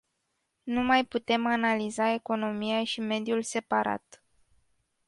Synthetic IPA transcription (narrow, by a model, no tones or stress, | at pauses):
numajput̪e̞manalizae̞ko̞no̞miaʃime̞d̪julse̞paɾa̰t̪